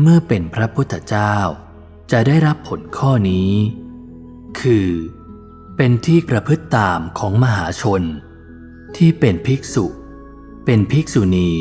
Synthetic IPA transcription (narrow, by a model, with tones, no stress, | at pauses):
mɯ˥˩ɐpe˧npʰɾa˦˥pʰu˦˥t̪ʰːa˧t͡ɕaː˥˩w | t͡ɕa˨˩daː˥˩jɾa˦˥pʰːo˩˦nkʰɔː˥˩niː˦ | kʰɯː˧ | pe˧nt̪ʰiː˥˩pɾa˧pʰɯ˦˥t̪ːaː˧mkʰɔː˩˦ŋma˧ɦaː˩˦t͡ɕʰo˧n | t̪ʰiː˥˩pe˧npʰi˦˥k̚su˨˩ | pe˧npʰi˦˥k̚su˧niː˧